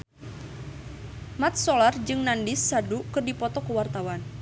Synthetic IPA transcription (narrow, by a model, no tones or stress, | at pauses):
mat̪̚solard͡ʒɨŋnandisːadukɨrdipɔt̪ɔkəwart̪awan